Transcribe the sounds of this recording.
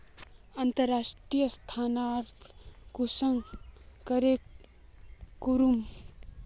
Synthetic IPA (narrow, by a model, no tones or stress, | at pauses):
ɐnt̪əɾːaːʂʈɾijəst̪ʰaːnaɾt̪ʰkusəŋkəɾek | kuɾum